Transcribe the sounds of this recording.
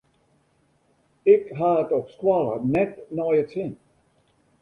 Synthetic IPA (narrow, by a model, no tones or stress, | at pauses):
ɪkɦaətɔpskwalˠə̰nɛtnɔjətsɪn